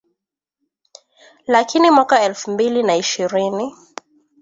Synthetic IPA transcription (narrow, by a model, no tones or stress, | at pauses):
lakʰinimwakaɛlfum̩bilinaiʃiɾini